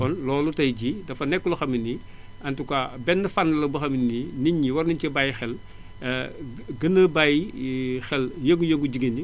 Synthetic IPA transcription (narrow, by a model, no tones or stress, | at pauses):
ɔnlɔːlutɐjɟidɐfɐnɛkːuluxɐminːi | ɐntukabɛnːɐfanːɐlɐbɐxɐmininiɲːiwɐrniɲcɐbajxɛl | ɡɐnːəbajixɛljəŋɡujəŋɡuɟiɡɐni